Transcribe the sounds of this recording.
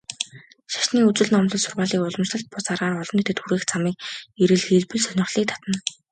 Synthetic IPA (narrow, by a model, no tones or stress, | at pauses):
ʃḁʃniːut͡sɘ̆ɮnɔmɮɞ̆ɮsʊrʁaːɮiːkʊɮə̆mt͡ɕɮə̆ɬt̪̚pʊt͡saːɾaːrɔɮɞ̆nit̪ʰĕt̪xuɾeːxt͡samiːk̚eɾɘ̆ɮxeɮpɘ̆ɮsœnʲɪ̆χɮiːk̚t̪ʰḁt̪ə̆n